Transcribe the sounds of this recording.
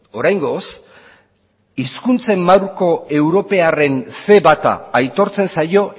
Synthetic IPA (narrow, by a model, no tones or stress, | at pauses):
o̞ɾajŋɡo̞s | iskunt͡se̞mːawɾko̞e̞wɾo̞pe̞are̞nse̞βat̪a̰ːjt̪o̞ɾt͡se̞nsajo̞